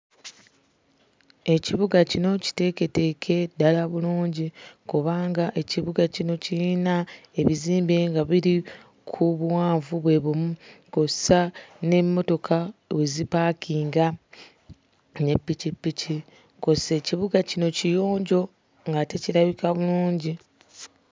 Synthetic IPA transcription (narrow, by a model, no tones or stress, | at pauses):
e̞ciβuɡacino̞ci̥te̞ke̞te̞kʰe̞dalaβuluːɲɟikuβaːŋɡaʔe̞ciβuɡacino̞ciinae̞βiziːmbe̞ŋɡaβiɾi | kʰuβwaːɱvuβwe̞βumukosane̞mːo̞to̞kʰawezipakiːŋɡa | ne̞pːicipːici | ko̞se̞ciβuɡacino̞cijo̞ːɲɟo̞ | ŋɡate̞ciɾaβikaβuluːɲɟi